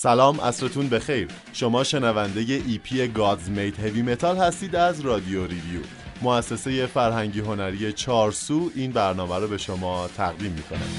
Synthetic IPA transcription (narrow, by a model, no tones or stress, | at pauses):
sælɒːmʔæ̰sɾet̪ʰuːnbe̞xe̞jɾ | ʃo̞mɒːʃe̞nævænd̪e̞je̞ʔiːpʰiːeɡɒːzmejd̪he̞vime̞t̪ʰɒːlhæst̪iːd̪æzɾɒːd̪io̞ɾiviju | moæsːe̞se̞je̞fæɾɦæŋɟiːɦo̞næɾije̞t͡ʃʰɒːɾsuːʔiːnbæɾnɒːmæɾobe̞ʃo̞mɒːt̪ʰæɣd̪iːmːiːkʰo̞̰næ̰m